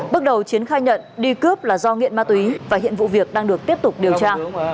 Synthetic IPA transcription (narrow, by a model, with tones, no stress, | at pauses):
ɓɨ˦˥k̚ɗə˨˩wt͡ɕi˨˦ənxaː˧jɲə̰˧˨nɗi˧kɨ˦˥əp̚laː˨˩zɔ˧ŋḭ˧˨ənmaː˧t̪wi˨˦vaː˨˩ɦḭ˧˨ənvṵ˧˨vi˨˩ək̚ɗaː˧ŋɗɨ˨˩ək̚t̪i˦˥əp̚t̪ʊ˨˩k͡p̚ɗi˨˩ə˩t͡ɕaː˧